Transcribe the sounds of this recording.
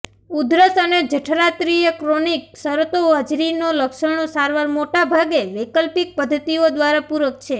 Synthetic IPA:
ud̪ɾəsəned͡ʒəʈʰɾat̪ɾijəkɾoniksəɾt̪oəd͡ʒɾinoləkʃəɳ̃osaɾʋaɾmoʈabʱaɡeʋekəlpik̚pəd̪ʱːət̪iod̪ʋaɾapuɾək̚t͡ʃʰe

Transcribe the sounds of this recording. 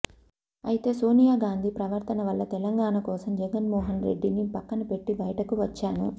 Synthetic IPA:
ɐjit̪e̞ːso̞ːnijaːɡaːnd̪ʱipɾɐʋɐɾt̪ɐnɐʋɐlːɐt̪ɛlɐŋɡaːɳɐkɔːsɐmd͡ʒɛɡɐnmɔːɦɐnɾeɖːinipɐkːɐnɐpe̞ʈːibɐjɐʈɐkuʋɐt͡ʃːaːnu

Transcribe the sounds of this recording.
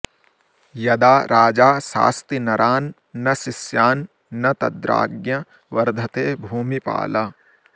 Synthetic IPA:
jɐd̪aːɾʔaːd͡ʒaːsa̰ːst̪inɐɾaːnː | ɐʃisjaːnː | ɐt̪ɐd̪ɾa̰ːɡjɐ | ʋɐɾd̪ʱɐt̪eːbʱuːmipa̰ːlɐ

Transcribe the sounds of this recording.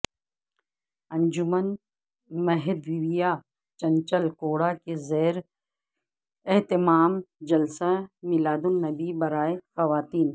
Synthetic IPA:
ɐ̃nd͡ʒʊmən | mɐɦed̪ʋɪʋijaː | t͡ʃɐ̃ɲt͡ʃəlkoːɽakezɛːɾ | eɦt̪ɪmaːmd͡ʒɐlsamɪlaːd̪ʊnːɐbibɐɾaːexɐʋaːt̪iːn

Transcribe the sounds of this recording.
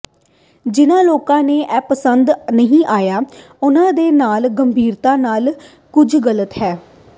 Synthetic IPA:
d͡ʒɪnãːloːkãːneːʔɛːpəsənd̪nəɦĩːʔaːjaː | ʊnãːd̪eːnaːlɡəmbʱiːɾt̪ãːnaːl | kʊd͡ʒɡələt̪ɦɛː

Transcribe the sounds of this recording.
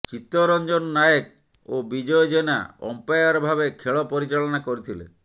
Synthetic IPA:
t͡ʃit̪ːɔɾɔnd͡ʒɔnɔːajek̚ | obid͡ʒɔjɔd͡ʒena̰ɔ̰mpajaɾɔbʱabekʰeɭɔpɔɾit͡ʃaɭɔnakɔɾit̪ʰilḛ

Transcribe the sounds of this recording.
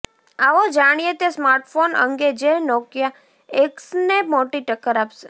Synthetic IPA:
aʋod͡ʒaɽ̃ijet̪jasmaɾʈfonə̰ŋɡed͡ʒenɔkja | eksnemoʈiʈəkːəɾapse̥

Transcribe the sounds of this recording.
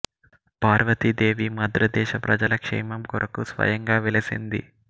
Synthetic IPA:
paːɾʋɐt̪id̪e̞ːʋimɐd̪ɾɐd̪ɛːʃɐpɾɐd͡ʒɐlɐkʂɛ̰ːmɐmkɔɾʔɐkusʋɐ̰jɐŋɡaːʋelɐsind̪ḭ

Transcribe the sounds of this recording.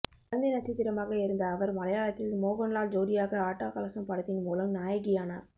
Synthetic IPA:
ɐɐnd̪ɪnɐʈ̚t͡ʃːɪt̪ːɪɾɐmaːɣɐɪɾɯnd̪ɐːʋɐɾmɐlɐjaːɭɐt̪ːɪlmoːɣɔɳlaːld͡ʒoːɽɪjaːɣɐaːʈːaːkɐlɐsɐmpɐɽɐt̪ːɪnmuːlɐmnaːjɐɣɪjaːna̰ːɾ

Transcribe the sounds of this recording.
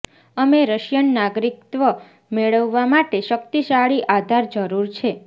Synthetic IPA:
əmeɾəʃjənːaɡɾik̚t̪ʋə | meɭəʋːamaʈeʃəkt̪iʃaɭiʔad̪ʱaɾd͡ʒəɾuɾt͡ʃʰe

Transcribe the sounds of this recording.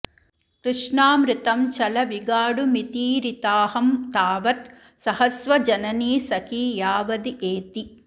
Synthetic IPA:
kɾɨʂɳaːmɾɪt̪ɐmt͡ʃɐlɐʋiɡaːɽumit̪iːɾit̪aːɦɐmt̪aːʋɐt̪ | sɐhɐsʋɐd͡ʒɐnɐniːsɐkijaːʋɐd̪iʔeːt̪i

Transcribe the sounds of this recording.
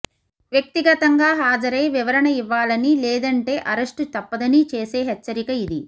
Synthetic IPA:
ʋjɐk̚t̪iɡɐt̪ɐŋɡaːɦaːd͡ʒɐɾeːʋiʋɐɾɐɳɐiʋːaːlɐnilɛːd̪ɐɳʈe̞ːʔɐɾɐʂʈut̪ɐpːɐd̪ɐnit͡ʃe̞ːse̞ːɦɛt͡ʃːɐɾikɐid̪i

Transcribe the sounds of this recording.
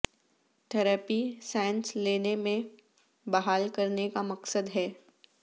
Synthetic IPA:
ʈʰɛɾaːpisaːɪ̃nsleːnemẽ | bɐɦaːlkɐɾnekamɐqsəd̪ɦɛː

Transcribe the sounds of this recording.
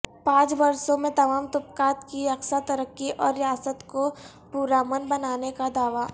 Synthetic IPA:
pãːt͡ʃbɐɾsõmẽt̪ɐmaːmt̪ʊpkaːt̪kiɐksat̪ɐɾəkːiʔɔːɾːɪjaːsət̪ko | puːɾaːmənbɐnaːnekad̪aːʋa

